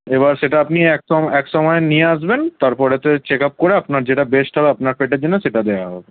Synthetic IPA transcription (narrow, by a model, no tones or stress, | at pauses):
eβaɾʃeʈaapniɛkɔɛkʃɔmɔenieaʃ̬bent̪aɾpɔɾet̪ot͡ɕekap̚koɾeapnaɾd͡ʑeʈabeʃʈɦɔbeapnaɾfeʈ̬eɾd͡ʑenːoʃeʈad̪eaɦɔbe